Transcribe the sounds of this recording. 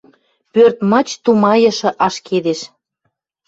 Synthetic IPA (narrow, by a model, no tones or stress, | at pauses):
pørt̪mə̆t͡ɕt̪umɑjə̆ʃɤ̆ʔɑʃked̪eʃ